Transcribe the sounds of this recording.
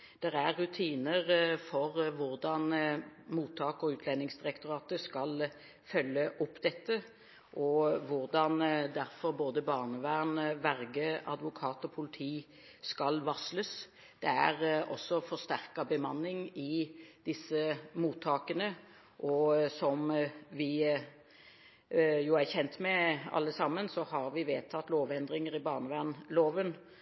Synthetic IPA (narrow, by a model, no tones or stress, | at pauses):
d̪̥ɛɾæɾːʉt̪ʰiːnəɾfɔɾʋʊɾd̪ɑnmuːt̪ʰːɑːkɔʉːt̪ʰlɛnːɪŋsd̪ɪʁɛkt̪ʊɾɑːt̪əskɑl | fœlːəʔʊpːd̪ɛt̪ːə | ʔɔʋʊɾd̪ɑnd̪æɾfɔɾboːd̪əbɑːʁnəʋæːnʋæɾɡəʔɑ̰d̪ʋʊkʰɑːt̪ɔpʰʊlɪt̪ʰiː | skɑlʋɑsləs | d̪̥ɛæʁɔsːɔfɔʁʂt̪æɾkɑbəmɑnːɪŋɪd̪̥ɪsːəmuːt̪ʰːɑːkənə | ʔɔsɔmʋɪ | juæçɛnt̪mɛɑ̰lːəsɑmːənsɔhɑɾʋɪʋeːt̪ʰɑt̪ːloːʋɛnd̪ʁɪŋəɾɪbɑːʁnəʋæːʁnloːʋən